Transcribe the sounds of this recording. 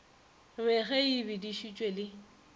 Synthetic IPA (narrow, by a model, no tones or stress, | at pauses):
bɛɣɛibɪdiʃit͡ʃʼwelɪ